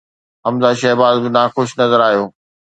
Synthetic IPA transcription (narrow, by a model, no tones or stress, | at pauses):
ɦɐmzaːʃɐɦbaːd̪bɪnaːxʊʃnɐzəɾaːɦijoː